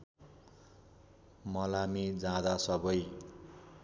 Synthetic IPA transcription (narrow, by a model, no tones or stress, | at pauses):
mʌlamid͡zãd̪asʌbʌj